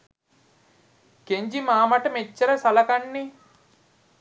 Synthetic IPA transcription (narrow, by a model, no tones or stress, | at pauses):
keɲd͡ʒimaːmɐʈɐmet͡ʃːɐɾɐsɐlɐkɐɳːi